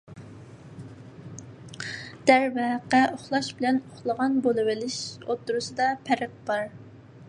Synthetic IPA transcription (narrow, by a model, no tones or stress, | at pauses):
d̪̥æɾvɛqæʔoχlˠɑʃbɪlɛnoχlˠəʁɑnbolˠɨwɪlɪʃo̰t̪ʰːuɾusɨd̪ɑpʰæɾəq̚b̥ɑɾ